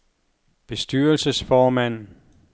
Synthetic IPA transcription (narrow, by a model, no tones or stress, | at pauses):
b̥e̝sd̥yɐlsəsfɒːmæn̰